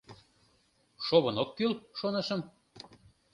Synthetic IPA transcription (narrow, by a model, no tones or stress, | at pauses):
ʃoβənokːylʃonɤ̆ʃə̆m